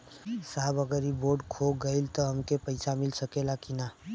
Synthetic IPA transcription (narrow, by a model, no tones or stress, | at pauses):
saːbəɡəɾiboːɖkʰoɡəɪlt̪ɔɦəmkepəɪsamɪlsəkelakina